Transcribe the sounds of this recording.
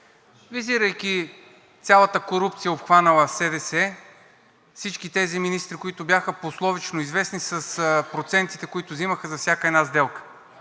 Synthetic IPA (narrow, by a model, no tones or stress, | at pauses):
viziɾəjkʲi | t̪sʲalˠət̪əkoɾup̚t̪sijəopxvanɐlˠəsɛd̪ɛsɛ | fsit͡ʃkit̪ɛziminist̪ɾikoit̪ʊbjaxəposlˠɔvit͡ʃnoizvɛsnisɐspɾot̪sɛnt̪i̥t̪ɛkoit̪ʊziməxəzɐfsʲjakəɛnazd̪ɛlˠkə̥